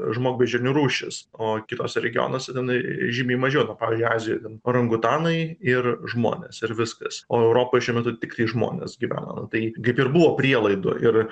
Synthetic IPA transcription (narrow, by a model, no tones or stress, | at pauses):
ʒmoːɡ̚ʲbʲɛd͡ʒʲɛnʲuɾuːʃʲɪsoːkʲɪt̪oːsʲɛɾʲɛɡʲɪo̰ːnoːsʲɛt̪ʲɛnɐɪʒʲɪmʲɛɪmɐʒʲɛːnɐpɑːʋʲɪzʲd͡ʒʊɪɑːzʲɪjoːt̪ʲɛnɾɐŋɡʊt̪ɑːnɐɪɪrʒmo̰ːnʲeːsɪɾʋʲɪskɐsoːɛʊɾoːpoːjʃʲuɔmʲɛt̪ʊt̪ʲɪkt̪ɐɪʒmo̰ːnʲḛsɡʲiʋʲæ̰ːnɐ̰nʊt̪ɐɪkɐɪpɪrbʊʋoːpʲɾʲiɛlˠɐɪd̪ʊ̰ʔɪr